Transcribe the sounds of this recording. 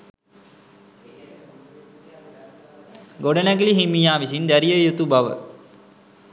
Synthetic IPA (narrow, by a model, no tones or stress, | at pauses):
ɡoɖənæɡiliɦimijaːʋisind̪æɾijəjut̪ubaʋə̰